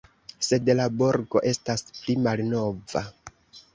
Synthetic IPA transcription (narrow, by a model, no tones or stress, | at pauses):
se̞dlabo̞ɾɡo̞̰ʔe̞stasplimalno̞va̰